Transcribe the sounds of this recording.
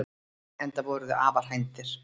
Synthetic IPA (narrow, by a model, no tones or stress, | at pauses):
ɛnt̪avɔɾʏðʏʔa̰ːval̥ɦajnt̪ɪɾ̥